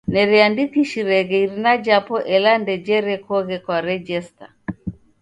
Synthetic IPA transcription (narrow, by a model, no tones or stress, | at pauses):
nɛɾiandikiʃiɾɛɣɛiɾinad͡ʒapɔʔɛlandɛd͡ʒɛɾɛkɔɣɛkwaɾɛd͡ʒɛsta